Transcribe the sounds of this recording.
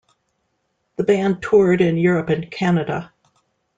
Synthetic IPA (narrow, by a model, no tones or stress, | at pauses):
ðəbæ̃ntʰʊɹɾɪ̃njʊɹɨpɨ̃nkʰænɨɾə